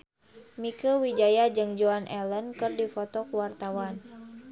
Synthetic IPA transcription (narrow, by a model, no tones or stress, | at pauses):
mikəwid͡ʒajad͡ʒɨŋd͡ʒoanʔɛlənkɨrdifɔt̪ɔkəwart̪awan